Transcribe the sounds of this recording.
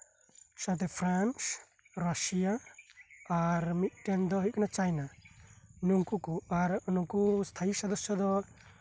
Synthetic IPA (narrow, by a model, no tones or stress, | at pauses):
sɔt̪ɛpʰɾans | ɾɔsijaː | ɾmit̪̚ʈɛnd̪ɔɦɔjkanat͡ʃajna | nuŋkukuaɾɔnuŋkust̪ʰaisɔd̪ɔsjɔd̪ɔ